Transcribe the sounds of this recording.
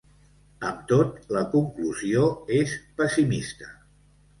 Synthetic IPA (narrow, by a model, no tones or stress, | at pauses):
əmt̪ot̪ləkuŋkluzioespəsimist̪ə